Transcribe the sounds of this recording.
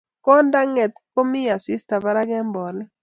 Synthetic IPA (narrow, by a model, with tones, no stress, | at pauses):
kɔ˦nda˦ŋɛ˨t̪̚ko˦mi˦ja˨si˦sta˨ba˦ɾa˦ɡɛ˦mbɔ˨nɛ˦